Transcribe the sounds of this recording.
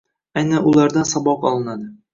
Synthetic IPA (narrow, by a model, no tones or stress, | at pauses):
ajnanʊlˠaɾd̪ansɒbɒqɒlˠɪnad̪ɪ